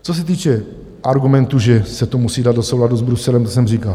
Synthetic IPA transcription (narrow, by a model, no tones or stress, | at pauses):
t͡sos̬ɛt̪̬iːt͡ʃɛ | ʔaɾɡumɛnt̪uʒɛsɛt̪omusiːdad̪dosowladuzbɾusɛlɛmt̪o̥s̬ɛmriːkal